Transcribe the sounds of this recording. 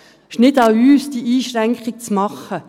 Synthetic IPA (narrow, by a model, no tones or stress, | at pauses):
ʃnɪtaʊyːsd̥iʔiːʃɾɛŋkχɪk̚t͡smɑχə